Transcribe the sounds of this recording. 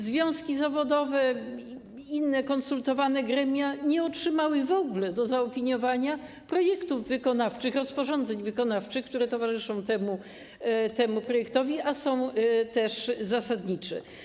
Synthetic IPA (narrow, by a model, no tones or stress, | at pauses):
zvʲjɔ̃w̃skʲizavɔd̪ɔvɛ | inːɛkɔnsult̪ɔvanɛɡɾɛmʲjaɲɛɔtʂɘmawɘvɔɡulɛd̪ɔzaɔpʲiɲɔvaɲa | pɾɔjɛkt̪uvːɘkɔnaft͡ʂɘxɾɔspɔʐɔnd̪zɛɲvɘkɔnaft͡ʂɘxk̚t̪uɾɛt̪ɔvaʐɘʂɔ̃w̃t̪ɛmu | t̪ɛmupɾɔjɛkt̪ɔvʲiʔasɔ̃w̃t̪ɛʂzasad̪ɲit͡ʂɛ̰